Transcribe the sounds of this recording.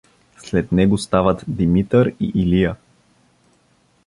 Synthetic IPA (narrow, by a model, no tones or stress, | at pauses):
slɛt̪nɛɡost̪avət̪d̪imit̪əɾḭʔilijə